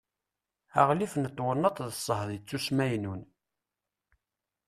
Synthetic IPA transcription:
æʁlifnət̪ˤːwənːɑt̪ˤðəsˤːəhðˤjt͡sːusmæjnun

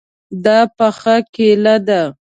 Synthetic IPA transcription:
d̪ɑpəxəkelad̪a

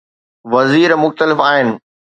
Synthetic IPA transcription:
ʋɐziːɾmʊxt̪əlɪfaːɦɪnɪ̆

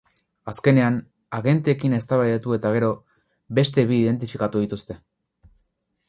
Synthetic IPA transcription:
aske̞ne̞an | aɣe̞nt̪eːkine̞st̪aβaðet̪ue̞t̪aɣ̞e̞ɾo̞ | be̞st̪e̞βiːðe̞nt̪̬ifikat̪uð̞it̪ust̪e̞

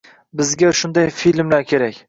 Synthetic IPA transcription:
bɪzɡʲaʃʊnd̪ajfilmlaɾkʲʰe̞ɾakʲ

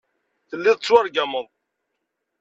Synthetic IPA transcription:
θəlːiðˤət͡sːwaɾɡaməðˤ

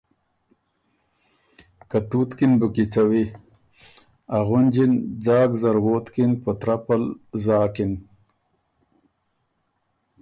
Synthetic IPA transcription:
kat̪ut̪kinbukit͡sawi | aɣʊnd͡ʑind͡zɑːɡzaɾwoːt̪kinpət̪ɾapalzaːkin

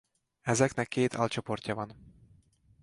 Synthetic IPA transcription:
ɛzɛknɛkʰːeːt̪ʰɒ̰lt͡ʃo̞po̞rcɒvɒn

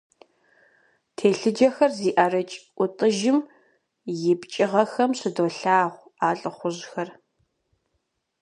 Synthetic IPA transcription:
tʰeːɬɨd͡ʒɐxɐrziːʔarɐt͡ʃʼʔʷʊtʼɨʒɪm | jɪpt͡ʃʼɪʁɐxɐmɕɪdoːɬaːʁʷaːɬʼɨχʷʊʑxɐr

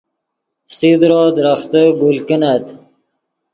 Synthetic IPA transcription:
sid̪ɾod̪ɾaχt̪əɡulkənat̪

